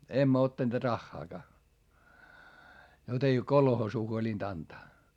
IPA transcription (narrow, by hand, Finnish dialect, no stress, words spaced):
emːæ otːɑneːt rɑxːɑːkɑː jot ei kolhoːsuː huolint ɑntɑː